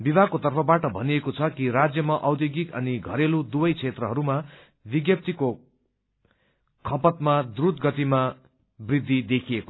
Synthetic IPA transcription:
bibʱakot̪ʌrpʰʌbaʈʌbʱʌniekot͡sʰʌkiɾad͡zjʌmaʔʌwd̪joɡikʌ̰niɡʱʌɾelud̪ubʌjt͡sʰet̪rʌɦʌɾuma | biɡjʌp̚t̪iko | kʰʌpʌt̪mad̪rut̪ɡʌt̪ima | brid̪ʱːid̪ekʰieko

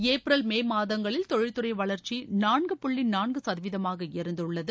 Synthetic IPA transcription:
eːpɾɐlmeːmaːðɐŋɡɐɭɪlt̪ɔɻɪɻt̪ːɯrɐɪʋɐɭɐɾt͡ʃinaːɳɡɯpʊɭːɪnnaːɳɡɯsɐðʋɪðɐmaːɣɐɛɾɯnd̪ɯɭːɐðɯ

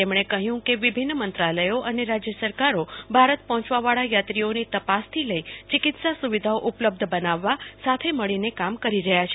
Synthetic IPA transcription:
t̪emɳ̃ekəɦjũkeʋibʱinːmənt̪ɾaləjoʔəneɾad͡ʒjəsəɾkaɾobʱaɾət̪̚pɔɦɔ̃t͡ʃʋaʋaɭajat̪ɾionit̪əpast̪ʰiləit͡ʃikɪt̪sasuʋid̪ʱaoʔupləb̚d̪ʱəbənaʋːasat̪ʰeməɭinekamkəɾiɾəɦjat͡ʃʰe

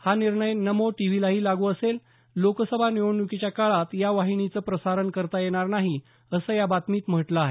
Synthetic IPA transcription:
haniɾɳəjnəmoʈiʋ̤ilaɦiːlaɡuəsel | lokəsəbʱanioɳjukit͡ɕjakaɭat̪jaʋaɦiɳit͡səːpɾəsaɾənkəɾt̪ajeɽ̃aɾnaɦi | əsəjabat̪miːt̪m̤əʈlaaɦe

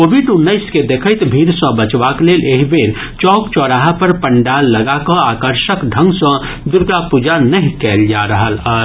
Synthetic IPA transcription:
kobʱiɖunːəɪsked̪ekʰəjt̪bʱiɾsə̃bət͡ʃbakleleɦibeɾ | t͡ʃɔkt͡ʃɔɾaɦəpəɾpəɳɖalːəɡakɔ̃akəɾʃəkɖʱə̃ŋɡsə̃ | d̪uɾɡapud͡ʒanəɦĩkɛld͡ʒaɾəɦələɾ

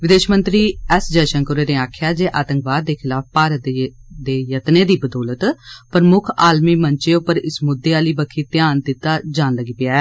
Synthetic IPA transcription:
ʋɪd̪eːʃmə̃nt̪ɾiːɛsd͡ʒəːʃənkʊɾeːneːaːkʰɪjaːd͡ʒeːʔaːt̪əŋkʋaːd̪ːeːkʰɪlaːp̚paːɾət̪d̪eːjət̪neːd̪iːbəd̪ɔːlət̪pəɾmʊkʰaːlmiːməɲt͡ʃeːʊpːəɾɪsmʊd̪ːeːaːliːbəkʰiːt̪ɪjaːnd̪ɪt̪ːaːd͡ʒaːnləɡiːpɪjaːɛː

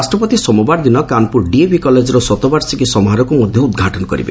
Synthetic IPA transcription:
sʈɾɔpɔt̪isɔmɔbaɾd̪inɔkanpuɾɖiebikɔled͡ʒɔɾɔsɔt̪ɔbaɾsikisɔmɔɦaɾɔkumɔd̪ʱjɔud̪̚ɡʱaʈɔnɔkɔɾḭbḛ

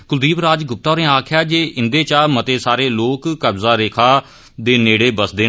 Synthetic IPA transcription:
kʊld̪iːbɾaːd͡ʒɡʊp̚t̪aːɾẽːaːkʰɪjaːd͡ʒeːʔɪnd̪eːt͡ʃaːmət̪eːsaːɾeːloːkːəbzaːɾeːkʰaː | d̪eːneːɽeːbəsd̪eː

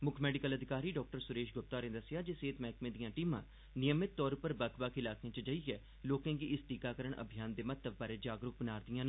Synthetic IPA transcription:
mʊkʰmɛːɖɪkələd̪ʱɪkaːɾiːɖɔːk̚ʈəɾsʊɾeːʃɡʊpt̪aːɾẽːd̪əsɪjaːd͡ʒeseːt̪mɛːkmẽːd̪ijãːʈiːmãː | nɪjəmɪt̪ːɔːɾpəɾbəkʰbakʰɪlaːkejãːt͡ʃəd͡ʒəiɛː | loːkãːɡiːʔɪsʈ̪iːkaːkəɾəɳʔə̰bʱijaːnd̪eːmət̪ləbbaːɾeːd͡ʒaːɡɾʊk̚bənaːɾd̪ijãːn

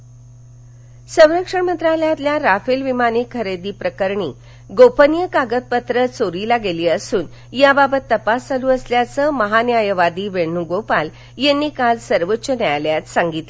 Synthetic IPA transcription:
sə̃w̃ɾəkʂəɳmənt̪ɾaljãt̪ljaɾafelʋimanikʰəɾed̪iːpɾəkəɾɳiː | ɡopənijəkaɡət̪̚pət̪ɾət͡soɾiːlaɡeliːəsuːn | jababət̪ːəpasd͡zaluːəsljat͡səməɦanjajəʋad̪iːʋeɳnuɡopal | jenːiːkalsəɾʋətːɕənjajljat̪saŋɡit̪le

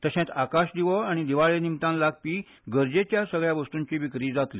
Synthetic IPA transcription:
t̪əɕẽt̪akaɕd̪iʋɔaɽ̃id̪iʋaɭenimt̪ãnlaɡ̚piː | ɡəɾd͡ʑet͡ɕjasəɡɭjaʋəst̪ũɲt͡ɕiːʋikɾiːd͡zat̪lḭ

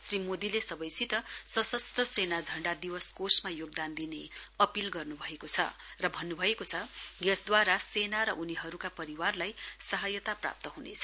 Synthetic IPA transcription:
srimod̪ilesʌbʌjsʰit̪ʌsʌsʌst̪rʌsenad͡zʱʌɳɖad̪iwʌskosmajoɡ̚d̪and̪ineʌpilɡʌrnubʱʌekot͡sʰʌ̰rʌbʱʌnːubʱʌekot͡sʰʌɡʌsd̪waɾasenaɾʌʔuniɦʌɾukapʌɾiwarlajsʌɦʌjʌt̪apra̰p̚t̪ʌɦunet͡sʰʌ̥

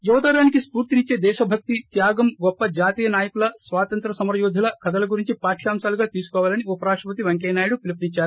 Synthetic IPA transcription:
juʋɐt̪aːɾaːnikispuːɾt̪init͡ʃːe̞ːd̪ɛːʃɐbʱɐk̚t̪it̪jaːɡɐmɡɔpːɐd͡ʒaːt̪iːjɐnaːjɐkulɐsʋaːt̪ɐnt̪ɾɐsɐmɾɐjɔːd̪ʱɐlɐkʰɐd̪ɐlɐɡuɾiɲt͡ʃipaːʈʰijaːmsaːluɡaːt̪iːsu̥kɔːʋaːlɐniupɐɾaːʂʈɾɐpɐt̪iʋɐŋk̬eːnaːjiɽupilipnit͡ʃːaːɾu

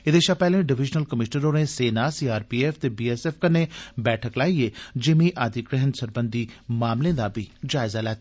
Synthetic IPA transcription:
ɪd̪eːʃapɛːlẽːɖɪʋɪd͡ʒnəlkəmɪʃnəɾoːnẽːseːnaːsiːaːɾpiːɛːfʰt̪eːbiːɛːsɛːfkənːeːbɛːʈʰəklaːieːd͡ʒɪmĩːʔaːd̪ikɾeɦənsəɾbənd̪iːmaːmlẽːd̪aːbʱiːd͡ʒaːɪzaːlɛːt̪ː

